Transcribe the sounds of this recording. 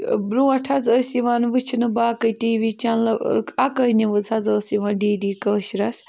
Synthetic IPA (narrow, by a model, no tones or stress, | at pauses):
bɾuːɐʈʰɐzəːsiʋaːnʋɨt͡ʃʰinɨbaːkətiːʋiːt͡ʃanlɐakəniʋɨzɐzəːsiʋaːnɖiːdiːkəːʃɾɐs